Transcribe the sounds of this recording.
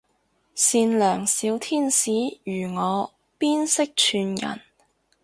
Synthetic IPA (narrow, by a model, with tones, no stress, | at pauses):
siː˧nlœː˨˩ŋsiː˨˧wt̪ʰiː˥nsiː˨˥jyː˨˩ŋɔː˨˧ | piː˥nsɪ˥k̚t͡ʃʰyː˧njɐ̰˨˩n